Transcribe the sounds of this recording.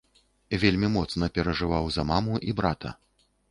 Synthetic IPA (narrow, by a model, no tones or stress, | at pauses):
vʲelʲmʲimɔt̪snɐpʲɛɾɐʐɨvawzɐmamuʔibɾat̪ɐ̰